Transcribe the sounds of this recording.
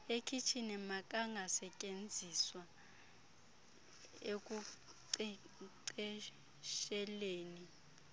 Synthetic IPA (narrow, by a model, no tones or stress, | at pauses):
ekʰit͡ʃʰinɛmakʼaŋɡʱasɛcʼend͡zʱiswa | ek̬ʼuǀi | ǀɛ | ʃɛleːni